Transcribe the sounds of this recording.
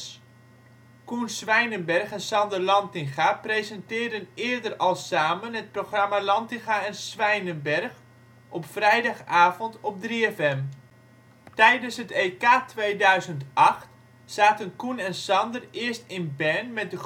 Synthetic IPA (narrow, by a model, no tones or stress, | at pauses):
kunsʋɛjnənbɛrχɛnsɑndərlɑntɪŋχaprejzɛntɪːrdənɪːdərɑlˠsaːmənɦət̚proχramalɑntɪŋxaɛnsʋɛjnənbɛrχ | ʔɔpfrɛjdɑχaːvɔntɔp̚driɛfɛm | tɛjdənsɦətejkaːtʋejdœɥzəntɑχt | saːtənkunɛnsɑndərɪərstɪnbɛnmɛt̚də